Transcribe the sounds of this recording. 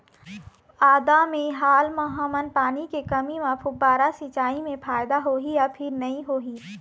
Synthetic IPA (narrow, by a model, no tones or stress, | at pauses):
aːd̪amẽɦaːlmɐɦəmənpaːnikekɐmimãpʰʊbaːɾasit͡ʃaːimẽpʰaːjd̪aɦoːɦijapʰɪɾnɐɦĩɦoːɦiː